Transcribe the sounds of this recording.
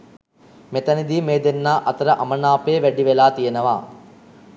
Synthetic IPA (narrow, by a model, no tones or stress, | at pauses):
met̪ɐnid̪iːmeːd̪enːaːʔɐt̪ɐɾɐʔɐmɐnaːpeːʋæɖiʋelaːt̪ijenɐʋa̰ː